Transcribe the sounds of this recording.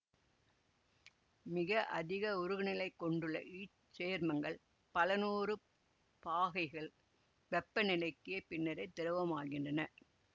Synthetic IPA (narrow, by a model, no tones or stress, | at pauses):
mɪɣɐʔɐðɪɣɐʊɾɯɣɪnɪlɐɪkːɔɳɖɯɭːɐ̰ʔiː | t͡ʃeːɾmɐŋɡɐɭ | pɐlɐnuːrɯ | paːɣɐɪɣɐɭ | ʋɛpːɐnɪlɐɪkːɪjɐpɪnːɐɾɐɪt̪ːɪɾɯʋɐmaːɣɪndrɐnɐ